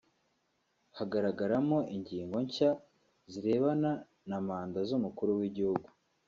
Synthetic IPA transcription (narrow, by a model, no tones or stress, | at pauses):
haɡaɾaɡaɾamo̞ʔiɲɟiːŋɡo̞ɲca | ziɾe̞ːβana | namaːndazumukuɾuwiɟihuɡu